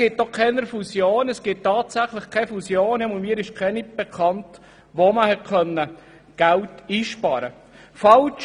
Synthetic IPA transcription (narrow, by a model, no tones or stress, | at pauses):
ɡ̥ɪt̚dɔkʰɛnəɾfusjoːnɛsɡ̥ɪt̚tːɑːtsæχlɪχkʰɛfusjoːnjɛmʊnmiːɾɪʃkʰɛnib̥ɛkʰɑnt | ʋoməhɛt̚kʰœnːə | ɡ̥æltiːʃpɑːɾə | fɑlt͡ʃ